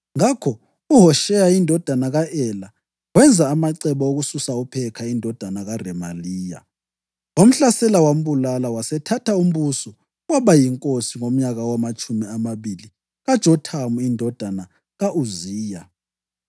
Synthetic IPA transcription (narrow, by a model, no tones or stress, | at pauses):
ŋakʰɔ | uɦɔʃɛjaindʱɔd̥ʱanaɣaʔɛla | wɛnd͡zʱaːmaǀɛβɔoɣususaupʰɛkʰaindʱɔd̥ʱanaɣarɛmaliːja̰ | wom̩ɬasɛlawam̩βulalawasɛtʰatʰaum̩βusɔ | waβajiŋkʼosiŋom̩ɲaɣawamat͡ʃʰʼumiamaβili | ɣad̥ʒ̥ʱɔtʰamuindʱɔd̥ʱana | ɣaʔuziːja